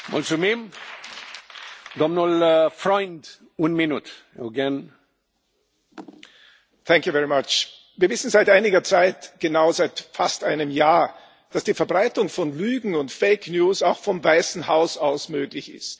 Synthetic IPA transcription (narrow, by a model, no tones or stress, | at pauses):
mɔ̰lsumim | d̪ɔmnɔlfɹɔ̃ɪnd | wunmɪnut | əɡɛn | θɛ̃ŋkjuvɛɹimat͡ʃ | viːɐvɪsn̩zaɪtʔaɪnɪɡɐt͡saɪtɡ̥ənaʊzaɪtfastʔaɪnəmjaːɐ | d̥asd̥iːfɛɐbʁaɪtʊŋfɔnlyːɡŋ̩ʊntfeɪknjuːsaʊxfɔmvaɪsn̩haʊsaʊsmøːɡlɪçɪ̰st